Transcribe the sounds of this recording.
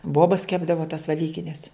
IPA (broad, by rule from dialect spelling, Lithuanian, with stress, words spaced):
ˈboːbɐs ˈkʲæːbdɐʋɐ tɐs ʋʲɛˈlʲiːkʲɪnʲɛs